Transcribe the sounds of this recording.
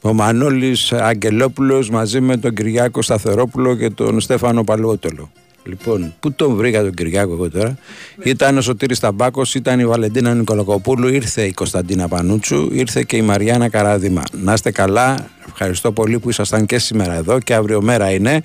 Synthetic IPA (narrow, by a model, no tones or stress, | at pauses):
o̞manolisɐɲɟe̞lo̞pulo̞zmɐzime̞t̪o̞ɲɟiɾʝɐko̞st̪ɐθe̞ɾo̞pulo̞ce̞t̪o̞̰nst̪e̞fɐno̞pɐlot̪o̞lo̞ | lipo̞nput̪o̞ɱvɾiɣɐt̪o̞ɟiɾʝɐko̞eɣo̞t̪o̞ɾɐit̪ɐno̞s̬o̞t̪iɾist̪ɐbɐko̞sit̪ɐnivɐle̞nd̪inɐniko̞loko̞puluiɾθe̞iko̞st̪ɐnd̪inɐpɐnut͡sṵiɾθe̞ce̞imɐɾʝɐenɐkɐɾɐðimɐ̰nɐst̪e̞kɐlɐ | e̞fxɐɾist̪o̞po̞lipuisɐst̪ɐŋce̞simeɾɐe̞ðo̞ceɐvɾio̞me̞ɾɐine̞